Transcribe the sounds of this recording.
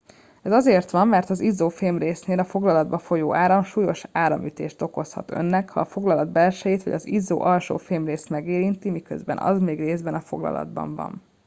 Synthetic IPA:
ɛzɒzeːrt̪ʋɒmːɛrt̪ɒzizoːfeːmreːsneːlɒfo̞ɡlɒlɒd̪̚bɒfo̞joːʔaːɾɒmʃuːjo̞ʃaːɾɒmyt̪ḛːʃt̪o̞ko̞shɒt̪ø̞̰nːɛkhɒ̰ːfo̞ɡlɒlɒd̪̚bɛlʃɛjit̪ʋɒ̰ɟɒzizːo̰ːʔɒlʃo̰ːfeːmreːst̪mɛɡeːɾint̪imikø̰zbɛ̰nɒ̰zmeːɡreːzbɛnɒfo̞̰ɡlɒ̰lɒ̰d̪bɒ̰ɱvɒ̰n

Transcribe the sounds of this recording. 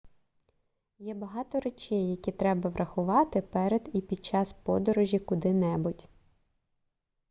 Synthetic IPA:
jɛbɐɦɑt̪ɔɾet͡ʃʲɛjːɐkʲit̪ɾɛbɐʋɾʔɐxʊʋɑt̪ɪpɛɾed̪ipʲid̪̚t͡ʃɑspɔd̪ɔɾɔʒʲikʊd̪ɪnɛbʊtʲ

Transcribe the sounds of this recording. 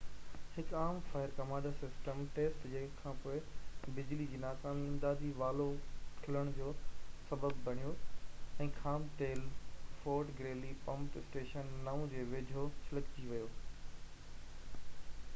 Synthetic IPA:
hɪkaːmfaːɪɾkɐmãːɖasɪsʈəmʈeːsʈd͡ʑɐ̃ɪkʰãːpoːɪbɪd͡ʑlid͡ʑiːnaːkaːmɪ̃ːnd̪aːd̪ʱiʋaːlokʰɪləɽ̃d͡ʑoːsɐbəbːɐɽ̃ijoɛ̃ːkʰaːmʈeːlfoːɾʈɡɾeːlipɐ̃mtɪsʈeːʃənːaːũd͡ʑeːʋeːd͡ʑʱosɪləkt͡ɕiʋɐjoː

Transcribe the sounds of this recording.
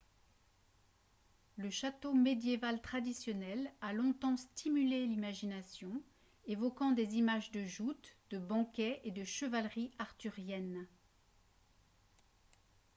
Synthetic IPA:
ləʃat̪omed̪jevalt̪χad̪isjɔnɛlalɔ̃t̪ɑ̃st̪imylelimaʒinasjɔ̃ | evɔkɑ̃d̪ezimaʒd̪əʒut̪d̪̥əbɑ̃kʲɛed̪əʃəvalʁiaʁt̪yʁjɛn

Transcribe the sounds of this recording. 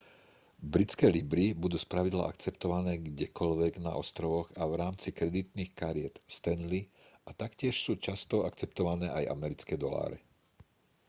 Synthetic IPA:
bɾit͡skɛːlibɾibud̪uːspɾaʋid̪la̰ʔak̚t͡sɛpt̪ɔʋanɛːɡɟɛkɔlʋɛɡna̰ʔɔst̪ɾɔʋɔɣaʋɾaːmt͡sikɾɛd̪it̪niːxkaɾɪɛt̪st̪ɛnliʔat̪akcɪɛʃsuːt͡ʃast̪ɔakt͡sɛp̚t̪ɔʋanɛːʔajʔa̰mɛɾit͡skɛːd̪ɔla̰ːɾɛ̰

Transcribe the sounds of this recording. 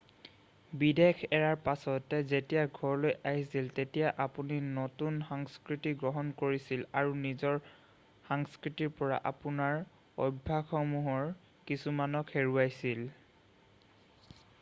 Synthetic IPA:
bidekʰɛɹaɹpasɔtɛzetijaɡʱɔɹlojʔaɦisiltetijaʔapuninotunxɔŋskɹitiɡɹɔɦɔnkoɹisilaɹunizɔɹ | xaŋskɹitiɹpɔɹa̰ʔapunaɹ | ɔ̰bʱaxɔmuɦɔɹ | kisumanɔkʰeɹuajsil

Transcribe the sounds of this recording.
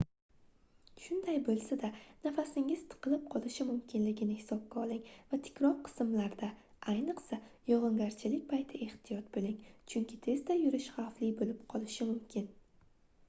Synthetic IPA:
ʃʊnd̪ajbolˠsad̪anafasɪŋɪz̥t̪ʰɨ̥qʰɨlˠɪp̚qʰɒlˠɪʃɪmʊmkʲʰɪnlɪɡʲɪnɪhɪsɒp̚kʲaɒlˠɪŋvat̪ʰɪ̥kʲɾɒɾqʰɨ̥smlaɾd̪a | ʔajnɨqsajɒʁɨŋɡʲaɾt͡ʃʰɪlɪkʲpʰajt̪ʰɪe̞ht̪ʰɪjɒt̪̚bolɪŋt͡ʃʰʊŋkʲʰɪt̪ʰe̞zd̪ajʊɾɪʃχawflɪbolɪpqʰɒlˠɪʃɪmʊmkʲʰɪn

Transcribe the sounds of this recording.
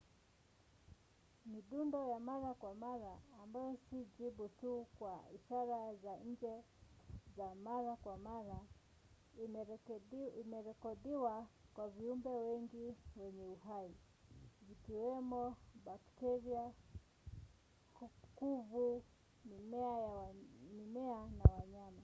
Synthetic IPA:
miɗundɔjamaɾakwamaɾaːmbajɔsid͡ʒibutukwaḭʃaɾazaɲ̩d͡ʒɛ | zamaɾakwamaɾa | imɛɾɛkɔɗiwakwaviumbɛwɛŋɡiwɛɲɛuɦai | zikiwɛmɔbaktɛɾia | kkuvu | nimɛajamimɛanawaɲama

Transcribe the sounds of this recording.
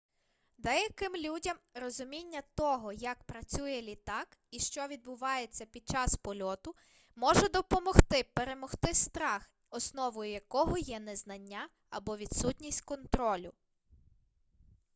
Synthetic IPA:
d̪ɛjɐkɪmlʲudʲɐmrɔzʊmʲinʲːɐt̪ɔɦɔjɐkpɾɐt͡sʲujɛlʲit̪ɑkiʃt͡ʃɔʋʲid̪̚bʊʋɑjet͡sʲːɐpʲid̪̚t͡ʃɑspɔlʲɔt̪ʊ | mɔʒɛd̪ɔpɔmɔxt̪ɪpeɾe̞mɔxt̪ɪst̪ɾɑx | ɔsnɔʋɔjʊjɐkɔɦɔjɛnɛznɐnʲːa | ɐbɔʋʲid̪sutʲnʲisʲtʲkɔnt̪ɾɔlʲʊ

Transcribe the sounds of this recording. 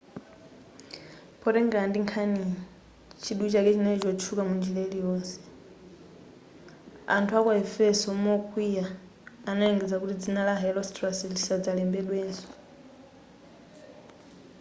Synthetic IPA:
pʰɔɾɛŋɡandiŋkʰani | t͡ʃʰiɗut͡ʃakɛt͡ʃinɛt͡ʃɔt͡ʃʰukamund͡ʒilelijɔːnsɛ̥ | a̰ntʰuakɔɛfɛsɔmɔkʰʼwijaː | naiŋɡɛd͡zakutid͡zinalaɦɛlɔstraslisad͡zalɛmbɛɗwɛːnsɔ̥

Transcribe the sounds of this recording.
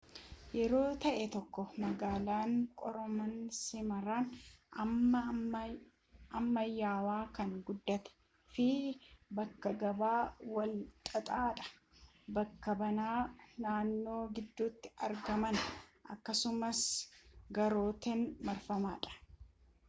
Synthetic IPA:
jɛɾo̞ːt̪ɐʔɛt̪ɔkːɔmɐɡaːlaːŋkʼɔɾɔmɐnsɪmɐɾaːnɐmːɐ | ɐmːɐjaːwaːkɐŋɡʊd̪ːɐt̪ɛ̥ | fɪbɐkːɐɡɐbaːwɐlt̪ʼɐt̪ʼaːᶑɐ̥ | bɐkːɐbɐnaːnaːnːo̞ːɡɪd̪ːuːt̪ːɪ̥ɐɾɡɐmɐnʔɐ̰kːɐsʊmɐsɡɐɾo̞ːt̪ɛnmɐɾfɐmaːᶑɐ̥

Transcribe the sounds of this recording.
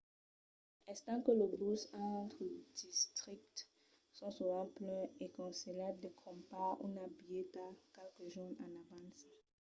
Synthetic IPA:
ɛst̪ɑ̃kələbusɑ̃t̪χəd̥ist̪ʁik̚t̪ | sɔ̃suvɑ̃plɛ̃ekɔ̃seladekʰɔ̃mpaṵnabijetakɛlkəʒunãnavãs

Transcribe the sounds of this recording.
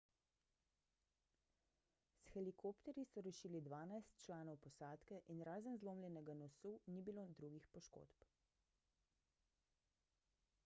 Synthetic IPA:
sxɛlikoːpt̪ɛɾjisɔɾɛʃiːlid̪ʋaːnajst̪t͡ʃlaːnɔwpɔsaːt̪kɛʔinɾaːzənzloːmlʲjɛnɛɡanɔsunibiloːd̪ɾuːɡixpɔʃko̰ːt̪p

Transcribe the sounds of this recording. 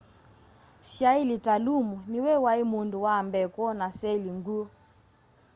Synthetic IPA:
ʃailitalumuniwɛwaimunduwaːmbɛkɔnasɛliŋɡu

